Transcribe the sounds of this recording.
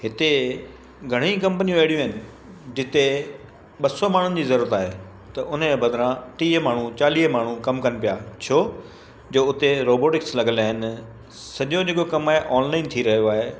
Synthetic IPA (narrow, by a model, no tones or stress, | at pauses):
ɦɪt̪e | ɡʱɐɽ̃ĩkɐ̃mpənijũʋeːɽijũɦɪnɪ̆ | d͡ʑɪt̪e | ɓɐsɔmaːɳ̤ʊnɪ̆d͡ʑiːzɐɾuːɾət̪aːɦe | t̪ɐʔʊnebɐd̪ʱɾãʈiːɦmaːɳ̤ũt͡ɕaːliːɦmaːɳ̤ũkɐmkɐnɪ̆pijat͡ɕʰoː | d͡ʑoːʊt̪eɾoːboːʈɪkslɐɡəlaːɦɪnɪ̆ | sɐʄod͡ʑeːkokɐmaːɦeʔɔːnlaːɪnt̪ʰiɾɐɦjoaːɦe